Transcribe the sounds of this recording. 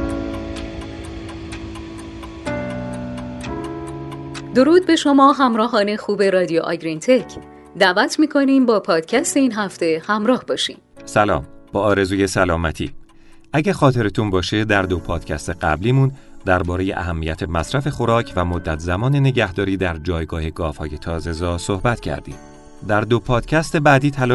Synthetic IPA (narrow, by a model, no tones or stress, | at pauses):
d̪o̞ɾuːd̪̚be̞ʃo̞mɒːɦæmɾɒːɦɒːne̞xuːbe̞ɾɒːd̪ijoʔɒ̰ɡɾint̪ʰecʰ | d̪æʔvæt̪ʰmiːkʰo̞niːmbɒːpʰɒːd̪̥cʰæst̪e̞iːnɦæft̪e̞hæmɾɒːhbɒːʃḭːm | sælɒ̰ːmb̥ɒːɾe̞zuːje̞sælɒːmæt̪ʰḭː | ʔæɟæɾxɒːt̪ʰe̞ɾet̪ʰunbɒːʃe̞d̪æɾd̪opʰɒːd̪̥cʰæ̰st̪e̞ɢæ̰bliːmun | d̪æɾbɒːɾe̞jḛʔæ̰ɦæmːijæt̪ʰe̞mæsɾæfe̞xo̞ɾɒːcʰvæmo̞d̪ːæt̪ʰzæmɒːnene̞ɟæhd̪ɒːɾiːd̪æɾd͡ʒɒːjɡɒːhe̞ɡɒːfhɒ̰ːje̞t̪ʰɒːze̞zɒːso̞hbæt̪cʰæ̰ɾd̪ḭːm | d̪æɾd̪o̞pʰɒːd̪̥cʰæst̪e̞bæːd̪iːt̪ʰælɒ